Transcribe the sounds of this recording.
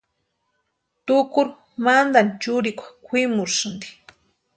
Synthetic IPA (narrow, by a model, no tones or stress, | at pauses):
t̪ʊkʊɾ | mand̪ant͡ʃʊɾɪkʷḁkʰʷwɪmʊɾʃʊnd̪i̥